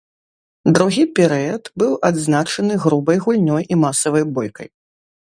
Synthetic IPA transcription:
d̪ɾuɣʲipʲɛɾɛɐt̪bɨwʔad̪znat͡ʂɐnɨɣɾubɐjɣulʲnʲɔjʔimasɐvɐjbɔjkɐ̰j

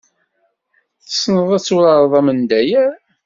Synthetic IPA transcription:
θə̥snəðˤæt͡sːuɾɑɾˤðˤɑmənd̪æjæ

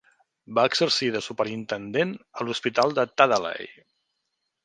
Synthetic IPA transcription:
baəɡzəɾsiðəsupəɾint̪ənd̪enəluspit̪alˠd̪ət̪aðala̰j

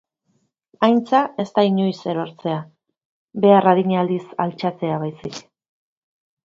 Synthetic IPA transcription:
ajnt͡sae̞st̪aiɲo̞jse̞ɾo̞ɾt͡se̞a | be̞araðiɲald̪isalt͡ʃat͡se̞aβ̞ajsik

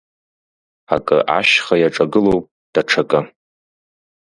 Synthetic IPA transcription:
akʼɨ̰ʔa̰ʃχajaʈ͡ʂʼaɡɨlo̞wpʼ | d̥aʈ͡ʂʰakʼɨ

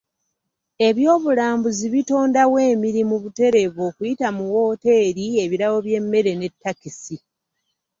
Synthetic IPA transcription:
e̞βjo̞ːβulaːmbuziβito̞ːndawe̞ːmiɾimuβute̞ɾe̞βo̞ːkujitamuwo̞ːte̞ːɾie̞βiɾawo̞βje̞mːe̞ɾe̞ne̞tːakisi

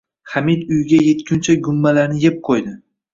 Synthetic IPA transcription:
χamid̪ʊjɡʲaje̞t̪kʲʰʊnt͡ʃʰaɡʊmːalaɾnɪjep̚qʰojd̪ɪ

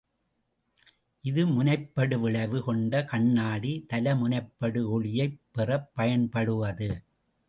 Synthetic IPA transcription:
ʔɪðɯmʊnɐɪpːɐɽɯʋɪɭɐʋɯkɔɳɖɐkɐɳːaːɽit̪ɐlɐmʊnɐɪpːɐɽɯɔɭɪjɐɪpːɛrɐpːɐjɐnpɐɽɯʋɐðɯ

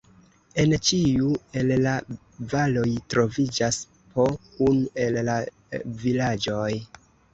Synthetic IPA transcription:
e̞nt͡ʃiue̞lla | valo̞jtɾo̞vid͡ʒas | po̞kune̞lla | vilad͡ʒo̞j

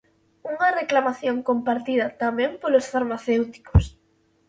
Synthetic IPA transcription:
uŋɐreklamaθjoŋkompaɾt̪iðɐt̪amɛ̃mpolosfaɾmaθewt̪i̥kos

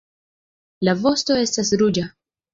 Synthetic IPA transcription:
lavo̞sto̞e̞stasɾud͡ʒa

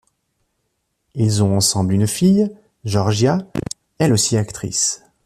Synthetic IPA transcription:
ilzɔ̃ɑ̃sɑ̃blynfij | ʒɔʁʒja | ɛlosiakt̪χḭs

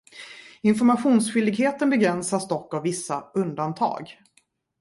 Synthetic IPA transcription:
ɪnfɔɾmaɧuːnsɧʏld̪ɪɡɦeːt̪ənbɛɡɾɛnsasd̪ɔkːavvːɪsːaɵnd̪ant̪ʰɑ̰ːɡ

